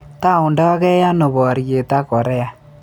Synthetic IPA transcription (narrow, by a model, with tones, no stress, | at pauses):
ta˦˨ʊ˨ndɔ˦kɛ˦ja˦no˨bɔ˨ɾje˨ta˦ko˨ɾɛ˦a˨